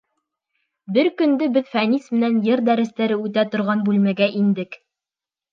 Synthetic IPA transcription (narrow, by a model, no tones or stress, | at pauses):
bɘɾkɵ̆nd̪ɘbɘðfænismɘ̆nænjɘɾd̪æɾɘ̆st̪æɾɘʉt̪æt̪ŏɾʁɑnbʉlmæɡæʔind̪ɘk